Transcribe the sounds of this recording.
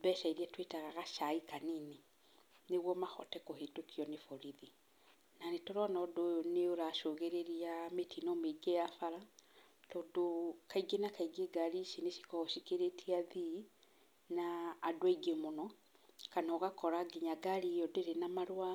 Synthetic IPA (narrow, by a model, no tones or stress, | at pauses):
bɛʃaiɾiatwetaɣaɣaʃaikanine | neɣwɔmaxɔ̰tɛkohetokiɔnefoɾiði | nanetoɾɔnɔdoneoɾaʃoɣeɾeɾiametinɔmeɡejafaɾa | tɔːdokaiɡenakaiɡeɡaɾisineʃi̥kɔoʃikeɾetʰiaði | naːdoaiɡemonɔ | kanaoɣakɔɾaɡeɲaɡaɾijɔdeɾenamaɾoa